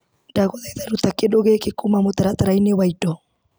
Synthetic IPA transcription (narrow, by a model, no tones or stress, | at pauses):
daɣoðaiðaɾut̪akedoɣekekumamot̪aɾat̪aɾainewaidɔ